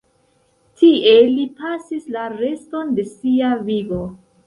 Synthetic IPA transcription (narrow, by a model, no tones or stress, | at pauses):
tie̞lipasislaɾe̞sto̞nde̞siaviɡo